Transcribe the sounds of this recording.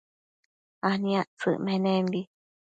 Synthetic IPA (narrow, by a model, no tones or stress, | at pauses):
ahnĩãʔt͡sɨ̰ʔmẽnẽmbi